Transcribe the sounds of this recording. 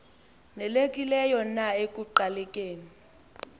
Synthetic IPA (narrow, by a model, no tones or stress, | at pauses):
nɛlek̬ʼilɛjɔnaek̬ʼuǃalɛkʼeːni